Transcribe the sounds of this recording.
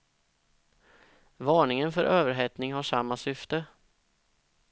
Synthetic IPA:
vɑːɳɪŋənfœɾʔøːvəɾɦɛt̪nɪŋɦaʂamːasʏft̪ə

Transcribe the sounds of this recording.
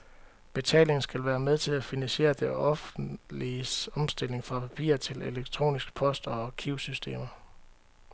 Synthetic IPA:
b̥e̝t͡sʰɛ̰ːle̝ŋn̩sɡ̥ælʋæːɐmeð̞ˠt͡sʰe̝læfinænɕe̝̰ːɐd̥eɒ̽fliɒ̽msd̥e̝l̰e̝ŋfʁɑ̈pʰæpʰḭːɐt͡sʰe̝leleɡ̥t͡sʰʁo̝̰ːnisɡ̥ə̥pʰɒ̽sd̥ɒkʰiʊsysd̥e̝̰ːmɐ

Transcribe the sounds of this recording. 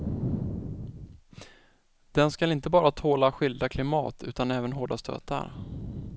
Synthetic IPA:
d̪̥ɛnskalɪnt̪əbɑːɾat̪ʰoːlaɧʏld̪akʰlɪmɑ̰ːt̪ʰʉ̟ːt̪anɛːvənɦoːɖast̪ʰø̰ːt̪a̰ɾ

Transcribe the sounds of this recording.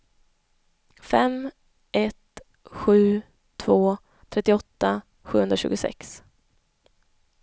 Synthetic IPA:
fɛm | ʔɛt̪ | ɧʉ̟ː | t̪ʰv̥oː | t̪ʰɾɛt̪ːɪɔt̪ːa | ɧʉ̟ːhɵnd̪ɾaɕʉ̟ːɡʊsɛ̰ks

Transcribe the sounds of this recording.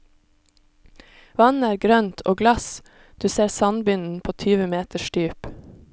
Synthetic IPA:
ʋɑn̩æːɾɡɾœnt̪ʰo̰ːɡlɑs | d̪̥ʉːseːɾsɑnbʏnn̩pʰoːt̪ʰyːʋəmeːt̪əʃʈyːp

